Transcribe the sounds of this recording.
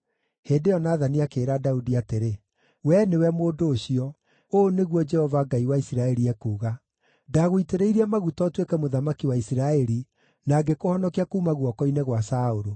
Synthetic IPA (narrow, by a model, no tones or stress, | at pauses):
heːndejɔnaːðaniakeːɾadaudiateɾe | wɛnewɛmoːdoːɕiɔ | oːneɣwɔd͡ʒɛhɔvaɡaiwaisiɾaɛɾiɛkuːɣa | daɣoiteɾeiɾiɛmaɣutɔtwekɛmoðamakiwaisiɾaɛɾi | naːɡekohɔnɔkiakuːmaɣwɔkɔineɣwasaoɾo